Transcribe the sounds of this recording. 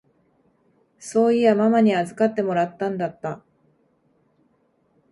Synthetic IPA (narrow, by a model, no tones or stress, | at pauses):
so̞ːiamamaɲ̟iazɨkat̪ːe̞mo̞ɾat̪ːãnd̪at̪ːa